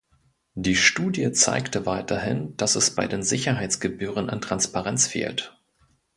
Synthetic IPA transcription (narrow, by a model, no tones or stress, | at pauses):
d̥iːʃtuːdjət͡sa̰ɪktəvaɪtʰɐhɪnd̥asɛsb̥aɪdeːnzɪçɐɦaɪt͡sɡ̥əbyːʁ̞əna̰ntʁ̥anspaʁɛnt͡sfḛːlt